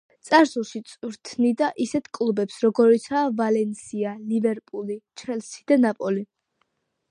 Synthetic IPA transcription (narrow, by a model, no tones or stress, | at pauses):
t̪sʼaɾsulˠʃit̪sʼvɾt̪ʰnid̪aʔisɛt̪ʰkʼlˠubɛpsɾɔɡɔɾit̪sʰaːvalɛnsialivɛɾpʼulit͡ʃʰɛlsi̥d̪̥anapʼɔli